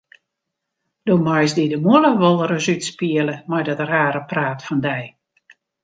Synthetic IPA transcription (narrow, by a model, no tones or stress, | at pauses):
d̥oːmɔjsdidəmoləʋɔlˠəɾəzytspiələmɔjdɔtəraːɾəpraːtfɔndɛj